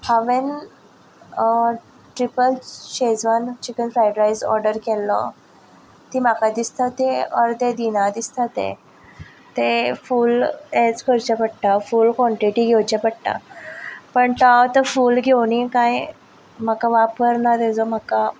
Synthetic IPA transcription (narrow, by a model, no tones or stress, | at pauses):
haʋen | ʈɾipəlɕed͡zʋant͡ɕikənfɾajɖɾajsɔ̰ɾɖəɾkɛlːə̰ | t̪imakad̪ist̪at̪eəɾt̪ed̪inad̪ist̪at̪ḛ | t̪efuːlet͡skʰəɾt͡ɕapəɽʈ̪afuːlkɔɳʈiʈiɡʱewt͡ɕapəɽ̚ʈ̪a̰ | pəɳt̪at̪əfuːlɡʱewnikãj | m̤akaʋapəɾnat̪ed͡zɔmaka